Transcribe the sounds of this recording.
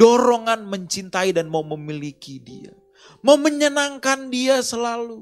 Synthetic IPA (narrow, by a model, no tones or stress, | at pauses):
dɔɾoŋanməɲt͡ʃint̪aidanmauməmilikidia̰ | mauməɲənaŋkandiasəlalu